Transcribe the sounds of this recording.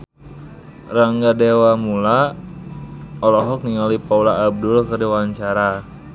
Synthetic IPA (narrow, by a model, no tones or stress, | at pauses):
raŋɡadɛwamula | ɔlɔɦɔk̚niŋalipaulaːb̚dulkəɾiwaɲt͡ʃaɾa